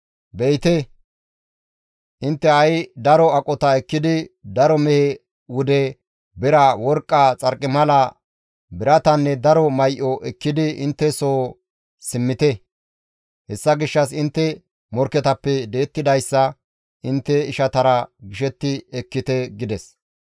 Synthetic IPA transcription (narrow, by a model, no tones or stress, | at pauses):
bɛjt̪ɛ | ʔɪnt̪ːɛɐjd̪ɐɾɔɐkʼɔt̪ɐɛkːɪd̪ɪd̪ɐɾɔmɛhɛ | wʊd̪ɛ | bɪɾɐwɔɾkʼːat͡sʼɐɾkʼːɪmɐlɐ | bɪɾɐt̪ɐnːɛd̪ɐɾɔmɐjʔɔʔɛkːɪd̪ɪɪnt̪ːɛsoː | sɪmːɪt̪ɛ | hɛsːɐɡɪʃːɐsɪnt̪ːɛ | mɔɾkːɛt̪ɐpːɛd̪e̞ːt̪ːɪd̪ɐjsːɐ | ʔɪnt̪ːɛɪʃɐt̪ɐɾɐɡɪʃɛt̪ːɪɛkːɪt̪ɛɡɪd̪ɛs